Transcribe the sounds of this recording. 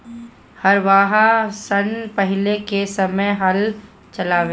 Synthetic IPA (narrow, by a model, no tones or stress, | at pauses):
hɐɾʋaːɦasɐnpəɦɪlekesɐməjɦɐl | t͡ʃɐlaːʋeː